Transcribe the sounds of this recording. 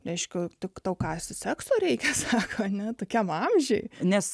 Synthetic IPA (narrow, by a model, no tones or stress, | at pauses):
ɾʲɛɪʃʲkʲʊt̪ʲɪkt̪ɐʊkɑːsʲtʲɪsʲæksoːɾʲɛɪkʲɛsɑːkʰoːɐnʲɛt̪oːkʲɛmɑmʲʒʲɛɪnʲɛs